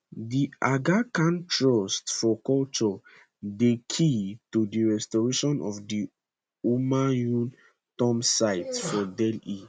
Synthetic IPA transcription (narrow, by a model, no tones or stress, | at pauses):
diaɡakãntʰɹɔstfɔkɔlt͡ʃɔ | dekʰitudiɹɛstɔɹeʃɔ̃nʔɔvdi | umajũn | tɔ̃msaɪtfɔdɛli